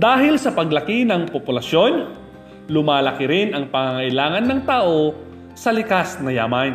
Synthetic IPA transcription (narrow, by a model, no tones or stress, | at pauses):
d̪aːɦɪlsɐpɐɡlɐkɪnɐŋpopʊlɐso̞n | lʊmaːlɐkɪɾɪnʔɐŋpɐŋaŋɐʔɪlaːŋɐnːɐŋt̪aːʔo | sɐlɪkasnɐjaːman